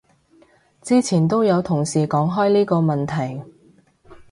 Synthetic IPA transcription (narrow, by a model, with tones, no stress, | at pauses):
t͡siː˥t͡sʰiː˨˩nt̪̬o˥wjɐ˨˧wt̪ʰʊ˨˩ŋsiː˨˩kɔː˨˥ŋɦɔː˥jliː˥kɔː˧mɐ˨nt̪ʰɐ˨˩j